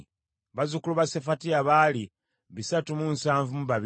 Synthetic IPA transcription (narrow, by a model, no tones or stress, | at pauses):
βazukuluβasefatiaβaːli | βisatumunsaːɱvumuβaβ